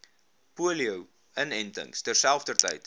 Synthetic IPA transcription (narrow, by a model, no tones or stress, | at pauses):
puəliəw | ənɛntə̰ŋstɛrsælˠfdərtə̰jt